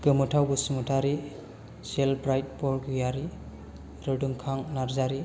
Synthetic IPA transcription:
ɡ̥ɯmɯtʰawɡɯsimutʰaɾi | selbɾajt̚pɔɾɡɯjaɾi | ɾɯdɯŋkʰaŋnaɾzaɾi

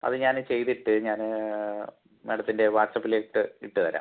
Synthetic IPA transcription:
ɐ̰ðɨɲaːnt͡ɕe̞jt̪iʈːɨɲaːn | meɽɐt̪ːinde̞ʋaːʈsɐpːileːʈːɨiʈːɨtɐɾa̰ː

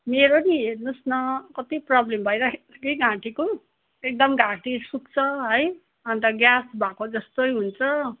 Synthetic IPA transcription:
meɾoniɦernosnʌkʌt̪iprʌblembʱʌjɾʌkeɡãʈiko | ek̚d̪ʌmɡãʈisukt͡sʰʌɦʌj | ʌnt̪ʌɡjasbakod͡zʌst̪ojɦunt͡sʰʌ

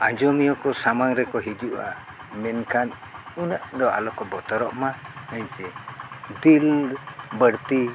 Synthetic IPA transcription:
ad͡ʒɔmijɔkɔsamaŋɾɛkɔɦid͡ʒuʔa̰ | mɛnkʰan | unaʔd̪ɔa̰lɔkɔbɔt̪ɔɾɔʔmaəɲt͡ʃɛd̪ilbəɾt̪i

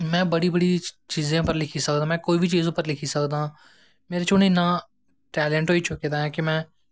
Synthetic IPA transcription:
mɛ̃ːbəɽiːbəɽiːt͡ʃiːzẽːpəɾlɪkʰiːsək̚d̪ãːmɛ̃ːkoːiːbʱiːt͡ʃiːzʊpəɾlɪkʰiːsəkd̪ãː | meːɾeːt͡ʃʊnɪnːãː | ʈɛːlɛːɳʈɦoːiːt͡ʃʊkeːd̪aːɦɛ̃ːkɪmɛ̃ː

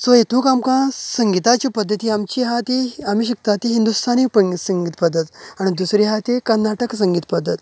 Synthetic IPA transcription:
soet̪ʰũkamkãsəŋɡit̪at͡ɕiːpəd̪ʱːət̪iːamt͡ɕiɦat̪iamiːɕ̬ikt̪at̪iɦind̪ust̪ʰanipəŋsəŋɡit̪pəd̪ʱːət̪aɽ̃id̪usɾiɦat̪ekəɾnaʈəksəŋɡit̪pəd̪ʱːət̪

